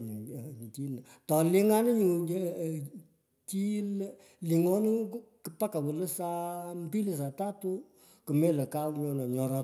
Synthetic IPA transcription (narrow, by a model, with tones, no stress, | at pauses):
t͡ʃi˦na˨ | tɔ˨lɪ˦ŋa˦nɪ˦ɲu˨˦˨ | t͡ʃi˦n˦ | li˨ŋɔ˦n˦kɨ˧˦pa˦ka˨wə˨lə˦sa˦m̩˦pi˦li˨s̬a˨ta˦tʊ˦ | kɨ˨me˦lə˨ka˦wɲɔ˦nɔ˨ɲɔ˨ɾɔ˧